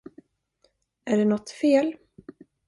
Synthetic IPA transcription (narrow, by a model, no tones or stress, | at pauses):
æɖɛnɔt̪ːfeːl